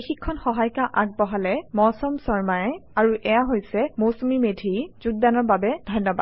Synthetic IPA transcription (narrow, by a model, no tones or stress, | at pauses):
ixikʰːɔnxɔɦajkaʔak̚bɔɦalɛmɔsɔmsɔɹmajɛaɹuʔɛjaɦojsɛmowsomimedʱizuɡ̚danɔɹbabɛd̥ʱɔjnːɔbad